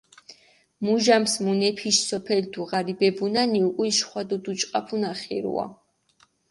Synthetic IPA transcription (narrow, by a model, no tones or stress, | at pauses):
muʒamsmunɛpʰiʃsɔpʰɛld̪ʰuʁaɾibɛbunaniukʼuiʃχwad̪ɔd̪ut͡ʃʼqʼapʰunaχɛ̰ɾṵa̰